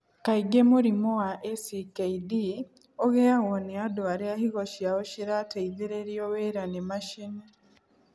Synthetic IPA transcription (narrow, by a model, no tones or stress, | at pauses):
kaiɡemuɾimoaʔesikeidi | oɣejaɣoneadoaɾeahiɣoʃjawoʃiɾateiðiɾeɾjoweɾanemaʃine